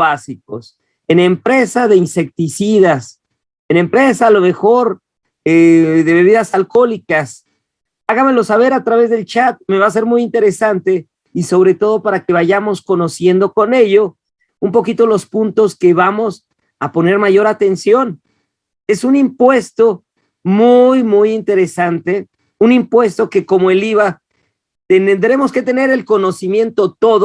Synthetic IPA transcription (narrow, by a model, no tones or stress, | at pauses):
asik̚o̞̰s | e̞ne̞mpɾe̞saðe̞inse̞k̚t̪isiðas | ene̞mpɾe̞saːlo̞me̞xo̞ɾ | eðe̞βe̞β̞iðasalko̞likas | aɣame̞lo̞saβ̞e̞ɾat̪ɾaβe̞zðe̞lt͡ʃat̪̚me̞βas̬e̞ɾmujint̪e̞ɾe̞sant̪e̞ | iso̞βɾe̞t̪o̞ð̞o̞paɾake̞βaʝamo̞sko̞no̞sje̞nd̪oko̞ne̞ʝo̞ | umpo̞kit̪o̞lo̞spunt̪o̞ske̞βamo̞s | apo̞ne̞ɾmaʝo̞ɾat̪e̞nsjo̞n | e̞sunimpwe̞st̪o̞ | mujmujint̪e̞ɾe̞sant̪e̞ | unimpwe̞st̪o̞ke̞ko̞moeliβa | t̪ennd̪ɾe̞mo̞ske̞t̪e̞ne̞ɾe̞lko̞no̞simjẽ̞nt̪o̞t̪o̞ðo